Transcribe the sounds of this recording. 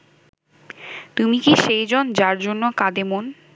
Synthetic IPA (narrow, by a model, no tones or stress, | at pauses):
t̪umikiʃejd͡ʑond͡ʑaɾd͡ʑonːokad̪emon